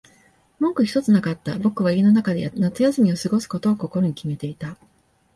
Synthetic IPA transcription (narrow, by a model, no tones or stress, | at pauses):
mõ̞ŋkɯ̟çʲi̥t̪o̞t͡sɨnakat̪ːabo̞kɯ̟β̞aieno̞nakad̪enat͡sɨjasɨmʲio̞sɨɡo̞sɨ̥ko̞t̪o̞ːko̞ko̞ɾo̞ɲ̟ikʲime̞t̪e̞it̪a